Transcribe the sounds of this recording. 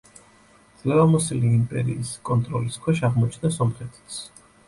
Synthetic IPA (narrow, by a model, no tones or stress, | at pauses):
d̪z̥lɛvamɔsiliːmpʼɛɾḭːskʼɔnt̪ʼɾɔliskʰwɛʃaʁmɔt͡ʃʰnasɔmχɛt̪ʰi̥t̪sʰ